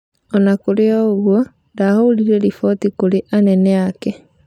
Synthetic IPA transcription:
ɔnakoɾeɔoɣwɔ | dahouɾiɾɛɾifɔtikoɾeʔanɛnɛakɛ

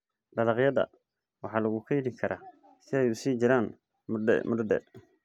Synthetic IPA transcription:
ɖɐlɑqjɐdɐ̰ | wɑħɑːlɐɣukʰɐjɪdɪŋkʰɐɾʔa̰ː | sɪɛjʊsiːd͡ʒɪɾaːn | mɛ̰mʊddɛ̰

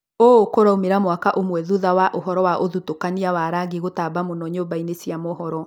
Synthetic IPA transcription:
oːkoɾaomeɾamwakaʔomwɛðuðawaʔoɦɔɾɔwaʔoðutokaniawaɾaɡeɣotabamonɔɲoːbainesiamɔɦɔɾɔ

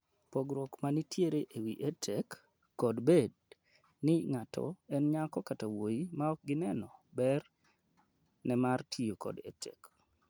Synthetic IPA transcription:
poɡɾɔkmanitʰjeɾeʔewiʔetʰɛkː | ɔdbed | nɪŋatʰɔ̰ɛnɲakɔkatawoimaɔk̚ɡɪnɛnɔbɛr | nɛmartʰijokɔ̰dḛtʰɛ̰k

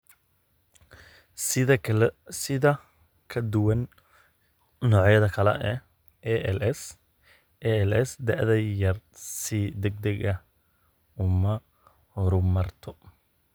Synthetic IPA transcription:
sɪðɐ | kʰɐd̪ʊwɐn | nɔːʕjɐðɐkʰɐlɛ̰ʔɛ | s | ɛɛlɛsd̪ɐʕðɐjɐrsid̪ɛɡ̚d̪ɐɣɐ | ʊmɐ | hɔɾʊmɐrt̪ʰɔ

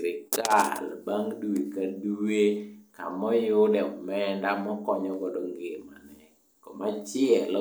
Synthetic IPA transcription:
ɾɪkalbaŋdwikaduwekamɔjʊdɛɔmɛndamɔkɔɲɔɡɔdɔŋɡemanɛ | kɔmat͡ʃɪɛl

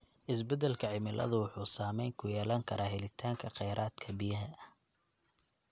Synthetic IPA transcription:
ʔɪsbɛd̪ɛlkʰɐʕɪmɪlʔɐ̰ðʊwʊħuːsaːmɛjŋkʰʊjɛːlɐŋkʰɐɾʔaːɦɛlɪt̪ʰaːŋkʰɐqɛjɾʔaːd̪kʰɐbijɐɦɐ

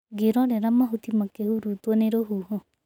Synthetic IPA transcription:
ɡiɾɔ̃ɾɛɾɐmaɦut̪imãkeɦuɾut̪ɔneɾoɦuɦɔ̃

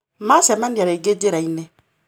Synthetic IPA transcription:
masɛmandiaɾeɡed͡ʒeɾainɛ

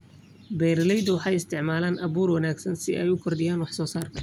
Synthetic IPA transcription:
bɛːɾlɛjd̪ʊwɑħɑjɪst̪ʰɪʕmaːlaːnʔɐβuːrwɐnaːɡsɐnsɪʔɛjʊkʰɔrd̪ɪjaːnwɑħsɔːsaːrkʰɐ

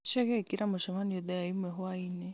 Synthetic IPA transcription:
ʃɛɣɛikiɾamoʃɔmaniɔd̪ɛjaimwɛɦwainɛ

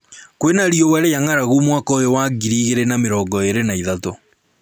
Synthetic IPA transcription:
kwenaɾjɔwɛɾejaŋaɾaɣumwakɔjowaɣiɾiɣeɾenameɾɔːŋɡɔeɾenaiðato

